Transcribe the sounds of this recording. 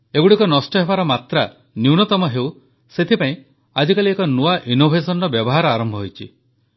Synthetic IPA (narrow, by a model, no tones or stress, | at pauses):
eɡuɽikɔnɔsʈɔɦebaɾɔmat̪ɾa | niwnɔt̪ɔmɔɦeuw | set̪ʰipaĩ | ad͡ʒikaliekɔnuaʔinobʱesɔnɔbjɔbɔɦaɾɔaɾɔmbʱɔɦojt͡ʃʰḭ